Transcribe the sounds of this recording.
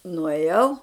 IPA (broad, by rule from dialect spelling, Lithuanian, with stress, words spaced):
nʊeːˈjɛʊ